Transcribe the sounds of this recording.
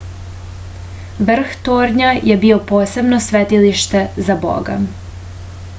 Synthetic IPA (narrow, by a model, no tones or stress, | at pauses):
ʋr̩xt̪oːɾɲajʔebio̞poːse̞bno̞sʋet̪iliʃt̪e̞zabo̰ɡa̰